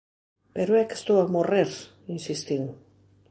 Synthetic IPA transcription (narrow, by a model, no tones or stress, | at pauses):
peɾoeke̥st̪oamoreɾ | insist̪iɣ